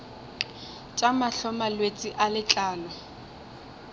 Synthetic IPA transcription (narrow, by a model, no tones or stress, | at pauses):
t͡ʃʼamaɬɔmalwet͡sʼiʔalɪt͡ɬʼaːlɔ